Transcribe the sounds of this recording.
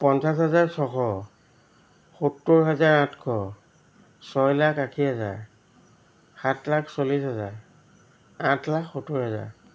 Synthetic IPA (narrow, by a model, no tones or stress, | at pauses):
pɔnsas̬ɦɛzaɹsɔkʰɔ | xutːʊɹɦɛzaɹãtʰkʰɔ | sɔjlakakʰiaza̰ɹ | xatlaksolisɦɛza̰ɹ | ãtlakxutːʊɹɦɛza̰ɹ